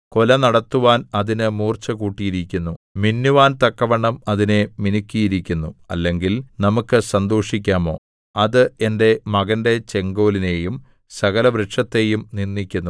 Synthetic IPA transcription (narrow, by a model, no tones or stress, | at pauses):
ko̞lɐnɐɽɐt̪ːuʋaːnɐðinɨmuːrt͡ɕɐkuːʈːijiɾikʲːunːuminːjuʋaːnt̪ɐkːɐʋɐɳːɐmɐðineminikʲːijiɾikʲːunːuɐ̰lːe̞ŋɡilnɐmukːɨsɐnd̪oːʂikʲːaːmo̞ː | ɐðɨe̞nde̞mɐɣɐnde̞t͡ɕe̞ŋɡo̞ːline̞jum | sɐɣɐlɐʋɾeʈʂɐt̪ːe̞jumninːikʲːunːu